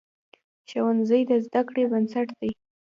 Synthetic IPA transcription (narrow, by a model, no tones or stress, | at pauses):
ʃawanzəjd̪əzd̪akɽebənsaʈd̪aj